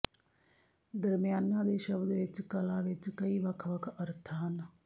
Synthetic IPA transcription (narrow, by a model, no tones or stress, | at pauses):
d̪əɾmɪjaːnãːd̪eːʃəbd̪ʋɪt͡ʃkəlãːʋɪt͡ʃkəiːʋəkʰʋəkʰəɾt̪ʰəɦən